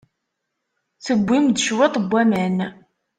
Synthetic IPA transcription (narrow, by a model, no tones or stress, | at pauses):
θəbʷːimd̪ʃwet̪ˤbʷːæmæn